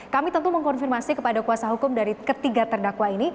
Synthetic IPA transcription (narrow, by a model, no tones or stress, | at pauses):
kamit̪ənt̪uməŋkɔnfirmasikəpadakuasaɦukʊmdaɾikət̪iɡat̪ərdakwaini